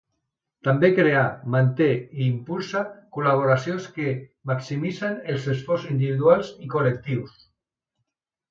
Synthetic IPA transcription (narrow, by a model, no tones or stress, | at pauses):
t̪ambekɾeamant̪eiːmpulsakulaβ̞oɾasjonskemaksimisanelsesfɔrsind̪iβiðualsikolek̚t̪iws